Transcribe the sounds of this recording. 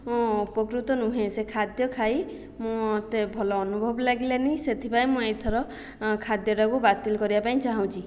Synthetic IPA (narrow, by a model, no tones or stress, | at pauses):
ɔ̃upɔkɾut̪ɔnũɦẽsekʰad̪jɔkʰaj | mũt̪ebʱɔlɔːnubʱɔbɔlaɡileniset̪ʰipaĩmũet̪ʰɔɾɔ | kʰad̪jɔʈakubat̪ilɔkɔɾibapaĩt͡ʃaɦaw̃t͡ʃʰi